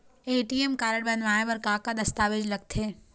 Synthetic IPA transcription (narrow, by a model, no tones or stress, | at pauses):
eːʈiemkaːɾəɽbɐnʋaːẽʋɐɾkãːkad̪ɐst̪aːʋed͡ʒlɐɡ̚t̪ʰeː